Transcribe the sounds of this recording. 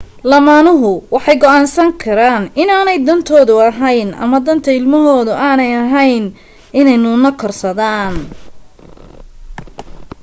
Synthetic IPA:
lɐmaːnʊɦʊwɑħɑjɡɔʔaːnsɐŋkʰɐɾaːnɪnaːnɛjd̪ɐnt̪ʰɔːðʊɐɦɛjnʔɐ̰mɐd̪ɐnt̪ʰɐɪlmɐɦɔːðʊʔaːnɛjɐɦɛjn | ɪnɛjnʊːnɐkʰɔrsɐðaːn

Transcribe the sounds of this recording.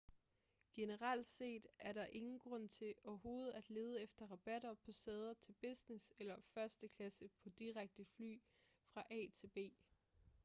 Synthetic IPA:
ɡ̥e̝nəʁɑl̰d̥se̝̰ːd̥æɐɾɑ̈ʔe̝ŋn̩ɡ̥ʁɔ̽n̰t͡sʰe̝ʔɒɐɦo̝ːð̞̩ˠæd̥le̝ːð̞ˠəefd̥ɐʁɑb̥æɾ̥ɐpʰɒ̽sɛːð̞ˠɐt͡sʰe̝lb̥e̝sneselɐfɶɐsd̥əkʰlæsəpʰɒ̽d̥iʁaɡ̥̚d̥əfly̰ː | fʁɑ̈ʔɛ̰t͡sʰe̝lb̥e̝̰ː

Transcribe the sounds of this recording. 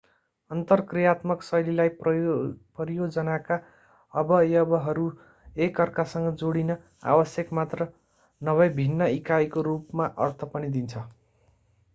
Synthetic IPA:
ʌnt̪ʌrkrijat̪mʌksʌjlilaj | pʌrijod͡zʌnaka | ʌbʌjʌbʌɦʌɾu | ekʌrkasʌŋɡʌd͡zoɽinʌ | a̰bʌsjʌkmat̪rʌ | nʌβʌjbʱinːʌikajkorupmaʔʌrt̪ʰʌpʌnid̪int͡sʰʌ

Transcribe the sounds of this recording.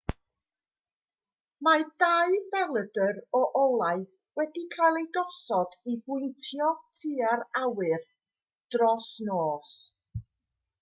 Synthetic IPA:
madajbɛlˠədərɔʔɔlˠaɨ | wɛdikʰajlˠejdɔsɔd̥ibʊntʰjɔtʰiːaɾawɨr | d̥rɔsnoːs

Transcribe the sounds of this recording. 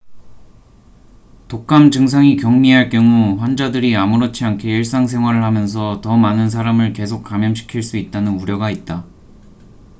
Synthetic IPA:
tok̚k͈amd͡ʑɯŋs̬ʰaŋikjʌŋmiɦaɭk͈jʌŋuɸwand͡ʑadɯɾiamuɾot͡ɕʰiɦaŋkʰeiɭs͈aŋs̬ʰe̞ŋɦwaɾɯɭhamjʌns̬ʰʌtʌmanɯns̬ʰaɾamɯɭke̞sʰok̚k͈amjʌmɕʰi̥kʰiɭs͈uit̚t͈anɯnuɾjʌɡait̚t͈a

